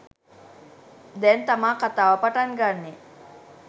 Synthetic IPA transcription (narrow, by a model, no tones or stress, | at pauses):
d̪ɛnt̪amaːkat̪aːʋapaʈanɡanːi